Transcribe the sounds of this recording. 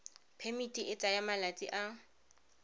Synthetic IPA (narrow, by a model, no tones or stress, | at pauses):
pʰemitʼiʔɪt͡sʼajamalat͡sʼiʔa